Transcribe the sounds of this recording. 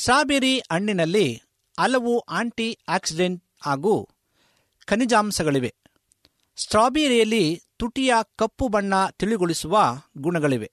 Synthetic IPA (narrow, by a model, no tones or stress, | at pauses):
sʈɾaːbiːɾiʔɐɳːinɐlːi | ɐlɐʋuʔaːɳʈiaːksiɖeɳʈ | aːɡuː | kɐnid͡ʒaːmsɐɡɐɭiʋe̞ | sʈɾaːbiɾijɐlːit̪uʈijɐkɐpːubɐɳːɐt̪iɭiɡoɭisuʋɐɡuɳɐɡɐɭiʋe̞